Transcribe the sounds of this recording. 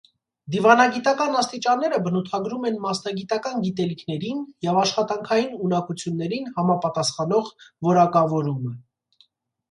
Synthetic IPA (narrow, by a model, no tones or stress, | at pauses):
d̪ivɑnɑɡit̪ɑkɑnɑst̪it͡ʃɑnːɛɾəbənut̪ʰɑɡɾumɛnmɑsnɑɡit̪ɑkɑnɡit̪ɛlikʰnɛɾinjɛvɑʃχɑt̪ɑŋkʰɑjinunɑkut͡sʰjunːɛɾinhɑmɑpɑt̪ɑsχɑnɔʁvɔɾɑkɑvɔɾumə